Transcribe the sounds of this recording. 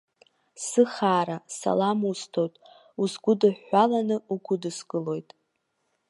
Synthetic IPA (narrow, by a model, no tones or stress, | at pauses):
sɨχaːɾasa̰lamustʰo̞jtʼ | usɡʷʊdɨħːalanɨuɡʷʊdɨsɡʼɨlo̞jtʼ